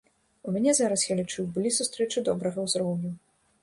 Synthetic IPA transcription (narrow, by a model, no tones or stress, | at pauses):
umʲanʲɛzaɾɐsjalʲit͡ʂuwbɨlʲisust̪ɾɛt͡ʂɨd̪ɔbɾɐɣɐwzɾɔwnʲu